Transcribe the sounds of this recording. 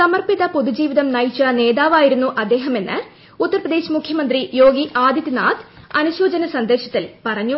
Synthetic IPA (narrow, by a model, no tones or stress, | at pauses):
sɐmɐrpiðɐpoðud͡ʑiːʋiðɐmnɐjit͡ɕːɐne̞ːðaːʋaːjiɾunːuʔɐd̪ːe̞ːɦɐme̞nːɨ̰ | ut̪ːɐrprɐd̪e̞ːɕmukʰjɐmɐnd̪rijo̞ːɡiʔaːd̪jɐt̪ːinaːt̪ʰ | ɐnuɕo̞ːd͡ʑɐnɐsɐnd̪e̞ːɕɐt̪ːilpɐrɐɲːu